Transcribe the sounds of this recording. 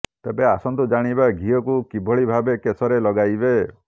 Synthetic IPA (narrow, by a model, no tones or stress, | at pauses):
t̪ebeasɔnt̪ud͡ʒaɽ̃ibaɡʱiɔkukibʱɔɭibʱabekesɔɾelɔɡajbe